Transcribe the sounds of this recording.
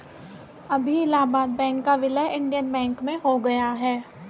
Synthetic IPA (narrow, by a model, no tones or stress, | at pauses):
ɐbʱiɪlaːbaːd̪̚bɛ̃ːŋkːaʋɪləʔɪ̃ɳɖijənbɛ̃ːŋkmẽɦoɡɐjaɦɛː